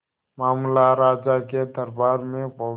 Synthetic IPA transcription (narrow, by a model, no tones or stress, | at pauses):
maːmlaɾaːd͡ʒaked̪əɾbaːɾmẽpə